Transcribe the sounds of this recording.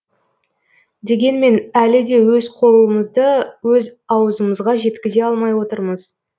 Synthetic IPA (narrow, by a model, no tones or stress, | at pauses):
d̪e̞ɡʲe̞nme̞nælɪd̪e̞wɵzqʰo̞lˠəməzd̪əwɵzɑwəzəməzʁɑʒe̞t̪kʲɪze̞ɑlˠmɑjwo̞t̪əɾməz